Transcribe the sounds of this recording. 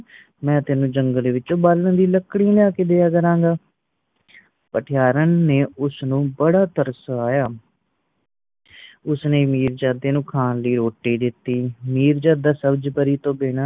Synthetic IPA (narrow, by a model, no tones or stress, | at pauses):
mɛ̃ːt̪eːnũːd͡ʒəŋɡəleːʋɪt͡ʃõːbaːlə̃nd̪iːləkːɽĩːljaːkeːd̪eːaːkəɾãːŋɡaː | pəʈʰɪjaːɾənːeːʊsnũːbəɽaːt̪əɾəsaːjaː | ʊsneːmiːɾd͡ʒaːd̪eːnũːkʰaːnləiːɾoːʈːiːd̪ɪt̪ːiːmiːɾd͡ʒaːd̪aːsəbəd͡ʒpəɾiːt̪õːbeːɽaː